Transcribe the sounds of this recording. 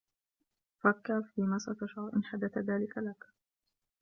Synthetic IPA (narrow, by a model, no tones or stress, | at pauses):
fakːaɾfiːmasat̪aʃʕɑɾˤʔɪnħad̪aθðaːlɪkalak